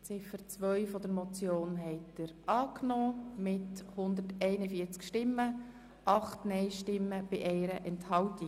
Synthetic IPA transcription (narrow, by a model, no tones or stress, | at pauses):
t͡sɪfəɾt͡sʋœʏfɔdəɾmɔt͡sjoːnɦɛɪtd̥əɾɑːknɔːmɪthʊnd̪ətɛɪnəfiːt͡skʃtɪmːə | ʔɑχtnɛɪʃtɪmːəb̥ɪʔɛɪɾəʔɛnthɑlti